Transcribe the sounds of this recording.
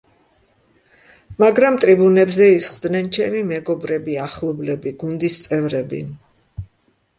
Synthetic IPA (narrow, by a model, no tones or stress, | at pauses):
maɡɾamt̪ʼɾibunɛbzɛisχd̪nɛnt͡ʃʰɛmimɛɡɔbɾɛbiaχlˠɔblɛbiɡund̪ist̪sʼɛvɾɛbḭ